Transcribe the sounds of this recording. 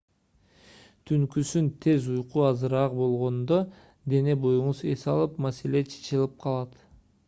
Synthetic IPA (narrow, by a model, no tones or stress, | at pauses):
t̪ʰyŋkysynt̪ʰe̞zujquɑzɨɾɑqbo̞lˠʁo̞nd̪o | d̪e̞ne̞bo̞juɴuze̞sɑlˠɯpmase̞le̞t͡ʃʰe̥t͡ʃilˠɯp̚qʰɑlˠɑt̪